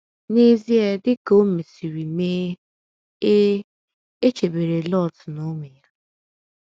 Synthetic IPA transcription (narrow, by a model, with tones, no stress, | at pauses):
ni˦zi˦e˦dɪ˦ko˦me˨si˨ɾi˨me˦ | e˦ | e˦t͡ʃe˨be˨ɾe˨lɔ˦˨tno˦ŋʷe˨ja˦